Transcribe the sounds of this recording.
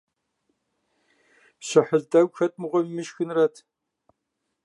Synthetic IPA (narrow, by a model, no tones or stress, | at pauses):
ɕɪħəɮdɐwʷxɐt̚ʰʼmɨʁʷɔmmɨʃxɨnrɐtʰ